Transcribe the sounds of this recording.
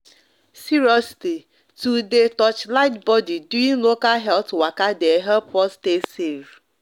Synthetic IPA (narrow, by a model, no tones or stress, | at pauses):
siɹɔsi̥ti | tudetɔt͡ʃlaɪtbɔdiduĩŋlokalɦɛltwakadeɦɛlpɔstesev